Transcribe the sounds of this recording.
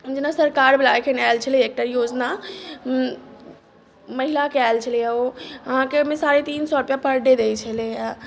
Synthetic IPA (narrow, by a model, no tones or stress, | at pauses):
d͡ʒenasəɾkaɾbʱelajkʰenalt͡ʃʰəliek̚ʈajod͡ʒna | məɦilakealt͡ʃʰəlijaoəɦãkemesaɾet̪insɔɾupjapəɾɖed̪ejt͡ʃʰəleja